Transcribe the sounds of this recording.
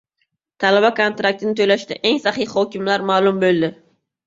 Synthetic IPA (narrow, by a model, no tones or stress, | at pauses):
t̪ʰalabakʰont̪ɾak̚t̪ɪnɪt̪ʰojlaʃt̪ɪ̰ʔe̞ŋsaχihɒkʲɪmlaɾmaːlˠʊmbolˠd̪ɪ